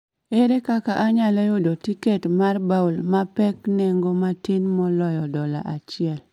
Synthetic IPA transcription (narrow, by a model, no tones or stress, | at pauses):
eɾekakaʔaɲalejodotiketmarbaulmapɛknɛŋɡomatinmɔlɔjɔdɔla̰ʔat͡ʃɪɛl